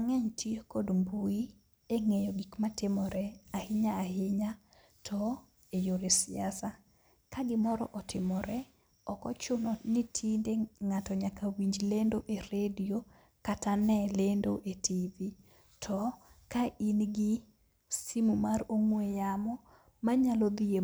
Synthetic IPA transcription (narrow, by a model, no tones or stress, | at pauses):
aŋɛɲtʰiekodmbui | eŋejɔɡikmatɪmɔɾɛahɪɲaahɪɲa | tʰɔ | ejoɾesɪasa | kaɡɪmɔɾɔ̰ʔɔtʰɪmɔɾɛ | ɔkɔ̰t͡ʃʊnɔnitʰindeŋatɔɲakawiɲd͡ʒlendoʔeɾedio | katanɛlendoʔetʰivi | tʰɔkaʔinɡɪ | simumaɾoŋwejamɔ | maɲalɔd̪ie